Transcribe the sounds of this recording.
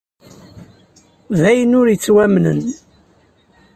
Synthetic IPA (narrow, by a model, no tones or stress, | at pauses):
ðæjənʊɾjət͡sːwæmnə̰n